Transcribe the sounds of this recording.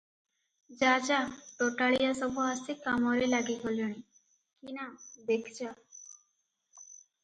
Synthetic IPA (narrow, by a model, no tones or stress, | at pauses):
d͡ʒad͡ʒaʈoʈaɭijasɔbʱuɦast̪ikamɔɾelaɡikoljɔɽ̃i | kinad̪ekʰt͡ʃa